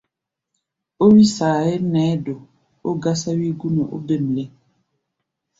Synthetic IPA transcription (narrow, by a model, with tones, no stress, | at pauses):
o˦wi˦saː˨e˦nɛː˨˦do˨ | o˦ɡa˦sa˦wi˦ɡu˦nɔ˨ʔo̰˦be˦˨m˨lɛ˦